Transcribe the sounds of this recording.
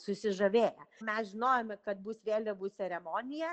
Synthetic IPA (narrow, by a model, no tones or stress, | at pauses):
sʊsʲɪʒɐʋʲeːjɛmʲɛsʒʲɪnoːjomʲɛkɐt̪̚buːsʋʲeːlʲɛbuːsʲɛɾʲɛmoːnʲɪjɛ